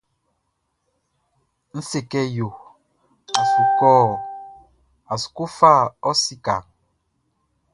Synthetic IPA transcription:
n̩˦se˨kɛ˦jo˨ | a˨su˨kɔː˦˨ | a˨su̥˨ko˦fa˦˨ɔ˦si˦ka̰˨ŋ

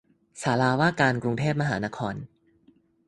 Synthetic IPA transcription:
saː˩˦laː˧waː˥˩kaː˧nkɾu˧ŋt̪ʰeː˥˩p̚ma˧ɦaː˩˦na˦˥kʰɔː˧n

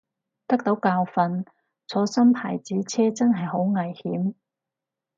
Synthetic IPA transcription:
t̪ɐ˥k̚t̪o˨˥wkaː˧wfɐ˨n | t͡sʰɔː˨˥sɐ˥mpʰa̰ː˨˩jt͡siː˨˥t͡sʰɛː˥t͡sɐ˥nɦɐ˨jho˨˥wŋɐ˨˩jhiː˨˥m

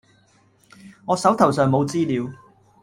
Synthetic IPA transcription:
ŋɔː˨˧sɐ˨˥wt̪ʰɐ˨˩wsœː˨ŋmo˨˧wt͡siː˥liː˨˧w

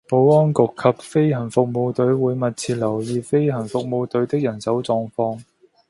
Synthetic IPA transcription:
po˨˥wɔː˥nkʊ˨kʰːɐ˨p̚fe˥jhɐ˨˩nfʊ˨k̚mo˧wt̪ɵ˨˥ɥwuː˨˧jmɐ˨t̚t͡sʰiː˧t̚lɐ˨˩wjiː˨˧fe˥jhɐ˨˩nfʊ˨k̚mo˨˧wt̪ɵ˨˥ɥt̪ɪ˥k̚jɐ˨˩nsɐ˨˥wt͡sɔː˧ŋfɔː˧ŋ

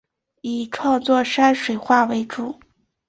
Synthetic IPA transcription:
i˨˩ʈ͡ʂʰwɑ˥˧ŋt͡swɔ˥˩ʂa˥nʂwe˨˩ɪxwa˥˩we˧˥ɪʈ͡ʂu˨˩˦

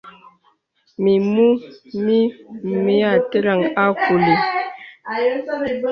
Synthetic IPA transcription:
mi˨mu˦mi˦˨mi˦a˨te˦ɾa˨ŋa˦ku˨le˨ | jo˦˨˦

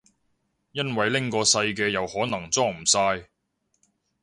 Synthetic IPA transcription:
jɐ˥nwɐ˨jlɪ˥ŋkɔː˧sɐ˧jk̬ɛː˧jɐ˨whɔː˨˥nɐ˨˩ŋt͡sɔː˥m̩˨˩saː˧j

